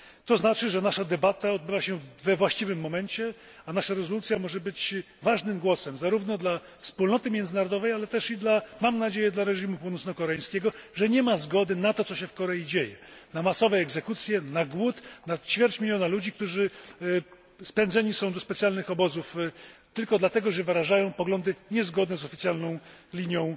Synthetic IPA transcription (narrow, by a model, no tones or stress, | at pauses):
t̪ɔznat͡ʂɘʐɛnaʂad̪ɛbat̪aɔd̪̚bɘvaɕɛvɛvwaɕt͡ɕivɘmːɔmɛɲt͡ɕɛ | anaʂaɾɛzɔlut̪sʲjamɔʐɛbɘt͡ɕ | vaʐnɘmɡwɔsɛmzaɾuvnɔd̪la | fspulnɔt̪ɘmʲjɛnd̪zɘnaɾɔd̪ɔvɛjalɛt̪ɛʂid̪lamamnad͡ʑejɛd̪laɾɛʐimupunɔt̪sɔkɔɾɛãj̃skʲɛɡɔʐɛɲɛmazɡɔd̪ɘnat̪ɔt̪sɔɕɛfkɔɾɛjid͡ʑejɛ̰namasɔvɛɛɡzɛkut̪sʲjɛnaɡwut̪nat͡ɕfʲjɛɾt͡ɕmʲilʲjɔnalud͡ʑikt̪uʐɘ | spɛnd̪zɛɲisɔ̃w̃d̪ɔspɛt̪sʲjalnɘxɔbɔzuft̪ɘlkɔd̪lat̪ɛɡɔʐɛvɘɾaʐajɔ̃w̃pɔɡlɔnd̪ɘɲɛzɡɔd̪nɛzɔfʲit̪ʲjalnɔ̃w̃ | lʲiɲjɔ̃w̃